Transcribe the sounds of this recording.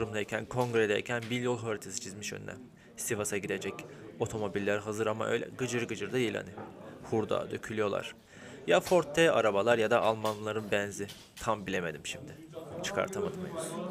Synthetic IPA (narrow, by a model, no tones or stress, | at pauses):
ɾumd̪aicʰænkʰo̞ŋɡɾed̪ɛ̰cʰænbiljolˠɦøɾʲt̪ʰesi̥t͡ʃʰizmiʃø̰ny̰nɛ̰ | sivasaɟid̪e̞d͡ʒɛco̞t̪ʰo̞mo̞bilʲːæɾɦazɯɾama̰ʔø̞̰jlʲɛ̰ɡɯd͡ʒɯɾɡɯd͡ʒɯɾd̪ailʲha̰nihuɾd̪a̰ːd̪øcʰylʲyjo̞lˠa̰ɾ̥ | jafo̞ɾt̪ʰːɛa̰ɾabalˠaɾjad̪aʔalˠmanlˠaɾɯnbænzi | t̪ʰambilʲe̞me̞d̪imʃimd̪ɪ | t͡ʃʰɯ̥kʰa̰ɾt̪ʰamat̪ma̰jɯ